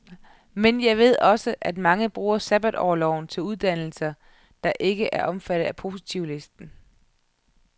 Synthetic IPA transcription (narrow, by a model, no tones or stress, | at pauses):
menjɑ̈ɪʋe̝ð̞̰ˠɒ̽səʔæd̥mɑ̈ŋəb̥ʁuːɐsæb̥æd̥ɒ̰ːlɒʊnt͡sʰe̝luð̞ˠd̥æn̰l̩sɐ | d̥ɑ̈ʔe̝ɡ̥əʔæɐʔɒ̽mfæɾ̥ð̩ˠæpʰo̝si̥t͡sʰiʊ̰le̝sd̥n̩